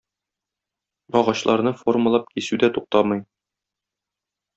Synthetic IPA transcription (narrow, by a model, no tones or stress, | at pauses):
ɒʁɑɕlˠɑɾnɤfo̞rməlˠɑp̚kisʉd̪æt̪uq̚t̪ɑmɤj